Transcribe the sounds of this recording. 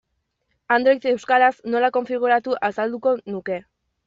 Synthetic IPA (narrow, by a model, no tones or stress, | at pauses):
and̪ɾejt̪e̞wskaɾasno̞lako̞ɱfiɣ̞uɾat̪uʔasald̪uko̞nuke̞